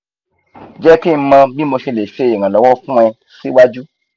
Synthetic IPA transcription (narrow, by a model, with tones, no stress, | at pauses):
d͡ʒɛ˦ki˦m̩˧mã˧bi˦mo˧ʃe˧le˨ʃe˦˨ĩ˨ã˨lɔ˨˦wɔ˦fũ˦ɛ˧ | si˦wa˦d͡ʒu˦